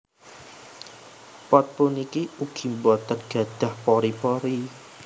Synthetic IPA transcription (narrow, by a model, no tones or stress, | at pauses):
pɔt̪̚punikiuɡ̥imbɔt̪ərɡ̥a̤ɖ̥a̤hpɔɾipɔɾi